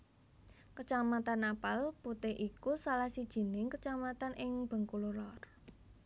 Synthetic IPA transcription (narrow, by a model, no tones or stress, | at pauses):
kət͡ʃamat̪anapalput̪ɪhʔikusalahsid̥ʒ̥i̤nɪŋkət͡ʃamat̪anʔɪŋb̥ə̤ŋkululɔr